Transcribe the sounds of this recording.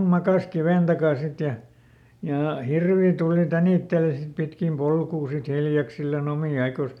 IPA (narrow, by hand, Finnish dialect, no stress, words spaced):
mɑkɑˑs kiʋeˑn tɑkɑˑn̞ sit jɑ jɑ hirʋi tuˑli tæniˑtːeli sit pitkim polkuː sit hiljɑksilːɑn omiˑ ɑikoˑs